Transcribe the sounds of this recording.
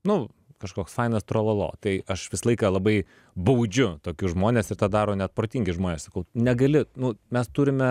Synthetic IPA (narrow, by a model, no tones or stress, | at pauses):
nʊ | kɐʃkoːksfɐɪnɐst̪ɾoːlˠɐlˠo̰ːt̪ɐɪɐʃʋʲɪsɐlˠɐɪkɑːlˠɐbɐɪ | bɐʊd͡ʒʲʊt̪oːkʲʊʒmoːnʲeːsɪɾt̪ɑːd̪ɑːɾoːnʲɛt̪̚pɾoːt̪ʲiːŋʲɡʲɪʒmoːnʲeːsɐkɐʊnʲɛɡɐlʲɪnʊmʲɛst̪uːɾʲɪmʲɛ